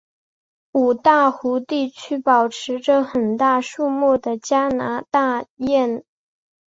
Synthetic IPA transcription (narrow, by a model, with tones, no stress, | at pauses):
u˨˩t̪a˥˩xu˧˥t̪i˥˩t͡ɕʰy˥pɑ˨˩ʊʈ͡ʂʰɻ̩˧˥ʈ͡ʂɤ˥˧xə˨˩nt̪a˥˧ʂu˥˧mu˥˩d̪ə˩t͡ɕja˥na˧˥t̪a˥˧jɛ˥˩n